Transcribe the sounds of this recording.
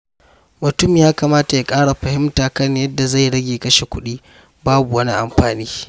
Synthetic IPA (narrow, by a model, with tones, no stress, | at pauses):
mʊ˨tʊ˦mi˨jaː˦ka˨maː˦ta˨jaː˦kʼaː˦ɽa˨ɸɐ˨hɪ˦mtaː˨kɐ˦njɐ˦dːa˨za˦˨jɽɐ˦ɡʲeː˨kɐ˦ʃe˨kʷʊ˦ɗiː˦ | baː˦bu˨wɐ˦ni˦ʔa˨mɸaː˨niː˦